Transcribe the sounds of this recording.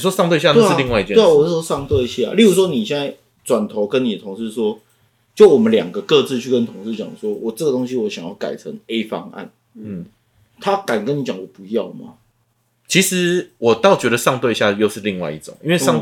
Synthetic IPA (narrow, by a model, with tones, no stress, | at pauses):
ʂwɔ˦ʂɑ˥˧ŋt̪we˥˧ɪɕja˥˧ne˥li˧ŋwa˥˧ɪi˧˩jɛ˧e˥˩˨wɔ˨˩˥wɔ˥ʂɑ˥˧ŋt̪we˥˧ɪɕja̰˥˨˩li˥˩ɻu˨˥ʂwɔ˥ni˨˩ɕjɛ˥˨nt͡sa˥˩ɪ | t͡swa˨˩nt̪ʰo˧˥ʊkə˦nːi˨ə˨t̪ʰʊ˧˥ŋʂɻ̩˥˩swɔ˥ | t͡ɕjo˥˩ʊwɔ˨˩mə˦nljɑ̰˨˩ŋɡə˩˦kɤ˥˧t͡sɹ̩˥˧t͡ɕʰy˥˩kə˦nt̪ʰʊ˧˥ŋʂ̩˥˩t͡ɕjɑ̰˨˩ŋə˩swɔ˦˥wʔɔ˨˩ʈ͡ʂə˥˩ɡə˩t̪o˥ŋɕi˧˥wɔ˧˥ɕjŋjɑ˥˩ʊka̰˨˩ɪt͡sʰə̰˧˦ŋe˥ɪfɑ̰˥ŋa̰˥˩n̩˥˩ | t̪ʰa˦ka˨˩nkə˦ni˨˥t͡ɕjɑ˨˩ŋd̪ə˨˩pu˧˦jɑ˥˩ʊma̰˩ | t͡ɕʰi˧˥ʂɻ̩˧˦wɔ˨˩t̪ɑ˥˩ʊt͡ɕɥɛ˧˦ɾə˨ʂɑ˥˧ŋt̪we˥˧ɕja˥˧jo˥˧ʊʂɻ̩˥˧li˥˧ŋwa̰˥ɪḭ˥˩ʈ͡ʂʊ̰˨˩˦ŋi˥nwe˥˧ɪɑ˥˧ŋ